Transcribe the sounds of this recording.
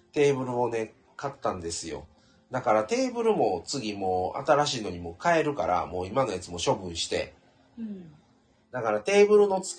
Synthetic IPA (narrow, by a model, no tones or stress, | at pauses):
t̪e̞ːbɯ̟ɾɯ̟mo̞ne̞ | kat̪ːãnd̪e̞sɨjo̞̰ | d̪akaɾat̪e̞ːbɯ̟ɾɯ̟mo̞t͡sɨɡʲimo̞ːa̰t̪aɾaɕiːnoɲ̟imo̞kae̞ɾɯ̟ka̰ɾa̰mo̞ːimano̞jat͡sɨmo̞ɕo̞bɯ̟̃ɰ̃ɕi̥t̪e̞̰ | d̪akaɾat̪e̞ːbɯ̟ɾɯ̟no̞t͡sɨ̥